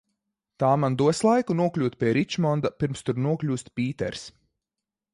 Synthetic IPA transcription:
t̪aːmand̪uɔslˠajkunuɔklʲuːt̪̚pʲiɛɾit͡ʃmɔnd̪apiɾmst̪uɾnuɔklʲuːst̪ʲpʲiːt̪ɛ̰ɾs

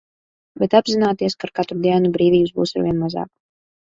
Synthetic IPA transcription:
bɛt̪abʲzinaːt̪iɛskaɾkat̪ɾud̪iɛnubɾiːvʲiːbuzbṵːsaɾviɛnmaza̰ːk

